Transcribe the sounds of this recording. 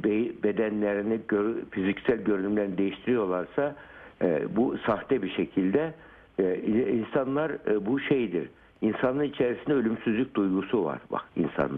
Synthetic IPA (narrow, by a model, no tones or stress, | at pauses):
bebe̞d̪ænlʲeɾiniɟøfizicsælʲɟø̞ɾynymlʲeɾinid̪e̞jiʃt̪ʰiɾijo̞ɾlˠaɾsa | busaxt̪ɛbiʃecʰilʲd̪ɛ | insanlˠaɾbuʃejd̪ḭɾ | insanˠɯnit͡ʃʰeɾisind̪ɛølʲymsyzlʲyc̚d̪ujɡusuva̰ɾba̰kḭnsa̰nˠa